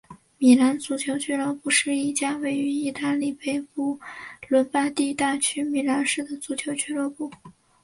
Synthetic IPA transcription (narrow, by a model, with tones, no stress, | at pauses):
mi˨˩la˧˥nt͡su˧˥t͡ɕʰjo˧˥ʊt͡ɕʰy˥˧lɤ˥˧pu˥˧ʂɻ̩˥˧i˥˩t͡ɕja˥we˥˩ɪy˧˥i˥˧t̪a˥˧li˥˩pe˥˩ɪpu˥˩lwə˧˥npa˥t̪i˥˧t̪a˥˩t͡ɕʰy˥mi˨˩la˧˥nʂɻ̩˥˩d̪ə˩t͡su˧˥t͡ɕʰjo˧˥ʊt͡ɕʰy˥lɤ˥˧pu˥˩